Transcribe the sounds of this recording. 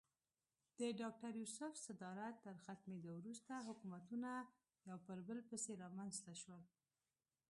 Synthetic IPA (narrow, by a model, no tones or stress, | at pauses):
d̪̥əɖɑk̚ʈaɾjusʊfsad̪ɑɾat̪ːəɾxat̪med̪owɾust̪aɦʊkumat̪una | jɑwpəɾbəlpəseɾɑmanzt̪aʃwəl